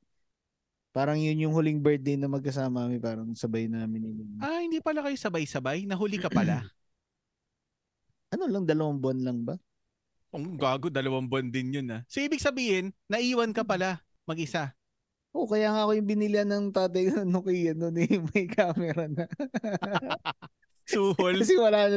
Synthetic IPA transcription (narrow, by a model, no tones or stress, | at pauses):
paːɾɐŋjʊnjʊŋhʊlɪŋbɛɹd̪̚ejnɐmɐɡ̚kɐs̬aːmɐkɐmɛpaːɾɐŋsɐbajnɐmɪnɪlɪnahɪnd̪iːpɐlakɐjosɐbajsɐbajnɐɦʊlɪkɐpɐla | ʔɐno̞lɐŋd̪ɐlɐwambʊanlɐŋbɐ | koŋɡaːɡo̞d̪ɐlɐwambʊand̪ɪnjonasoʔiːbɪɡ̚sɐbiːhɪnːɐʔiːwɐnkɐpɐla | mɐɡʔɪsa | ʔo̞kɐjaːŋaʔɐkojʊŋbɪnɪlɪɐnɐŋt̪aːt̪̬ɐjkʊnɐnʊkiːjɐnonɪmɐjkʰaːmɛɾanɐ | suːholɐsɛwɐlaːn